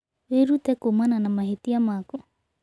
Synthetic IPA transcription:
eɾut̪ɛkumananamaɦit̪iamakɔ

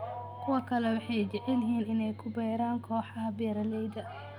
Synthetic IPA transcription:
kʰʊwɐkʰɐlɛwɑħɑjt͡ʃɛʕɛlɦiːnɪnɛjkʰʊbɛːɾaːŋkʰɔːħɑɦɐbɛːɾɐlɛjd̪ɐ

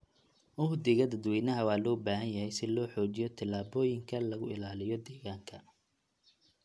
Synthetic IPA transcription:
ʔʊhd̪ɪɣɐd̪ɐd̪wɛjnɐɦɐwɑːlɔːbaːɦɐnjɐɦɛjsɪlɔːħɔːt͡ʃɪjɔt̪ʰɐlaːbɔːjɪŋkʰɐlɐɣʊɪ̰laːlɪjɔd̪ɛːɣaːŋkʰɐ

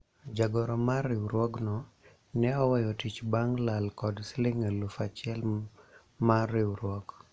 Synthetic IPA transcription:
d͡ʒaɡɔɾɔmarɪwɾwɔɡnɔ | nɛɔwɛjɔtit͡ʃbaŋlalkɔdslɪŋelufat͡ʃɪɛl | marɾɪwɾwɔɡ

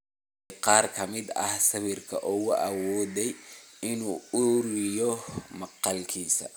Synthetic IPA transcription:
qɑːrkʰɐmɪd̪ɐ̰hsɐβɪrkʰɐ̰ʔɔɣʊʔɐwɔːðɛjɪnuːʊɾɪjɔmɐqɑlkʰiːsɐ̰

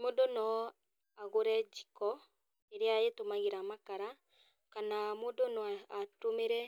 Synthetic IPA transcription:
modonɔ | aɣoɾɛd͡ʒikɔ | eɾeaetomaɣeɾamakaɾa | kanamodonɔatomeɾɛ

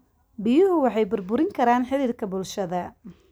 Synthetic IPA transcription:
bɪjʊɦʊwɑħɑjbʊrbʊɾɪŋkʰɐɾaːnħɪliːrkʰɐbʊlʃɐðɐ

